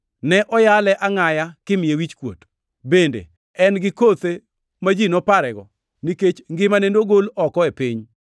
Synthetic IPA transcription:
nɛʔɔjalɛʔaŋajakɪmɪjewit͡ʃkwo̰t | bendḛ | ɛnɡɪkot̪e | mad͡ʒinɔpaɾɛɡɔ̰ | niket͡ʃŋɡɪmanendoɡolɔkɔepiɲ

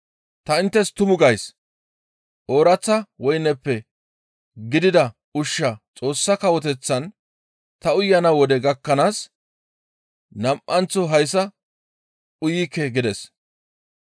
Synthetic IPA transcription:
t̪ɐɪnt̪ːɛst̪ʊmʊɡɐjs | ʔoːɾɐt͡sːɐwɔjnɛpːɛ | ɡɪd̪ɪd̪ɐ | ʊʃːɐt͡sʼo̞ːsːɐkɐwɔt̪ɛt͡sːɐn | t̪ɐʊjːɐnɐwɔd̪ɛɡɐkːɐnaːs | nɐmʔɐnt͡sːɔɦɐjsːɐ | ʊjikːɛɡɪd̪ɛs

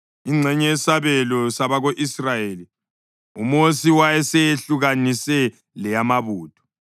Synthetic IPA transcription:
iŋ͡ǀʱɛɲɛɛsaβɛlɔsaβaɣoʔisrajeːli | umosiwajɛsejeɬuɣanisɛ | lɛjamaβuːtʰʼɔ̥

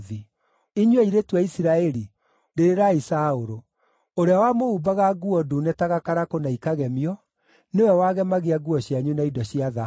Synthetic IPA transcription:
ði | iɲweiɾetwaisiɾaɛɾi | deɾeɾaisaoɾo | oɾeawamoubaɣaɡuɔdunɛtaɣakaɾakonaikaɣɛmiɔ | newɛwaɣɛmaɣeaɡuɔɕjaɲunaidɔɕiaða

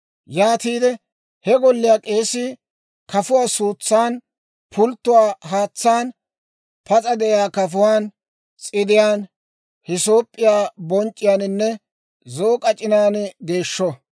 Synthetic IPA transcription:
jaːt̪iːd̪ɛ | hɛɡɔlːɪjaːkʼe̞ːsɪ | kɐfʊwaːsuːt͡sːaːn | pʰʊlt̪ːʊwaːɦaːt͡sːaːn | pɐt͡sʼɐd̪ɛʔjaːkɐfʊwaːn | t͡sʼɪd̪ɪjaːn | hɪso̞ːpʼːɪjaːbɔnt͡ʃʼːɪjaːnɪnːɛ | zo̞ːkʼɐt͡ʃʼɪnaːnɡe̞ːʃːɔ

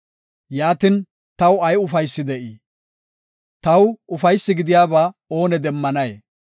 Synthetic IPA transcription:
jaːt̪ɪn | t̪ɐwɐjʊfɐjsːɪd̪ɛʔi | t̪ɐwʊfɐjsːɪɡɪd̪ɪjaːbaːo̞ːnɛd̪ɛmːɐnɐje

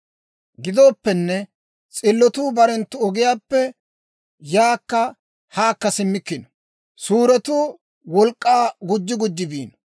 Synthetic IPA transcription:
ɡɪd̪o̞ːpːɛnːɛ | t͡sʼɪlːɔt̪uːbɐɾɛnt̪ːʊɔɡɪjaːpːɛ | jaːkːɐ | haːkːɐsɪmːɪkːɪnɔ̥ | suːɾɛt̪uː | wɔlkʼːaːɡʊd͡ʒːɪɡʊd͡ʒːɪbiːnɔ

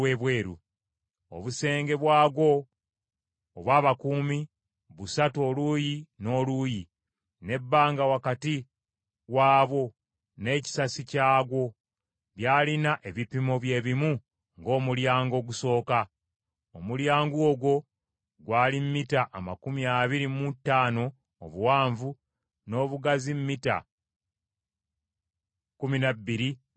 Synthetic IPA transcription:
eːβwe̞ːɾṵ | o̰βuse̞ːŋɡe̞βwaːɡo̞ | βwaːβakumi | βusatuo̞luːjino̞ːluːji | ne̞bːaːŋɡawakati | waːβo̞ | ne̞ːci̥sasicaːɡo̞ | βjaːlinaʔe̞βipimo̞βje̞ːβimu | ŋɡo̞ːmuljaːŋɡo̞ːɡuso̞ːka | omuljaːŋɡuoɡwo̞ | ɡwaːlimːitaʔːma̰kumiaːβiɾimutːaːno̞̰ː | βuwaːɱvu | no̞ːβuɡazimmita̰ | kuminabːiɾi

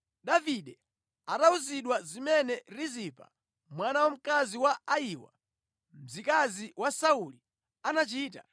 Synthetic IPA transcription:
ɗaviɗɛ | atauziɗwazimɛnɛɾizipʰa̰ | mwanawɔm̩kaziwaaiwa̰ | m̩zikaziwasauli | anat͡ʃiːta̰

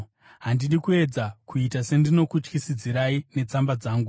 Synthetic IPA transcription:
ɦandiɗikue̞d͡zakuitase̞ndino̞kut͡ʃkisid͡ziɾaine̞t͡sambad͡zaːŋɡu

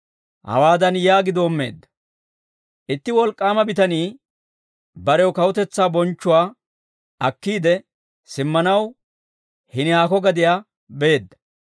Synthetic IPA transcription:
hɐ̰waːd̪ɐnjaːɡɪd̪oːmːe̞̰ːd̪ːɐ̥ | ʔɪt̪ːɪwɔlkʼːaːmɐbɪt̪ɐniː | bɐɾɛwɔkɐwʊt̪ɛt͡sːaːbɔnt͡ʃːʊwaː | ɐkːiːd̪ɛ | sɪmːɐnɐw | hɪnɪhaːkɔɡɐd̪ɪjaː | be̞ːd̪ːɐ̥

